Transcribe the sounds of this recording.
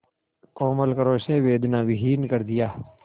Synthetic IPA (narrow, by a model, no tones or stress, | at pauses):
koːməlkəɾoːʃnẽːʋeːd̪nãːʋɪɦiːnkəɾd̪ɪjaː